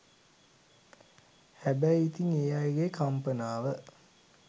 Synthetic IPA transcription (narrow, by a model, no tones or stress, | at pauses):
hæbæjit̪iŋejajɡekʰampənaːʋə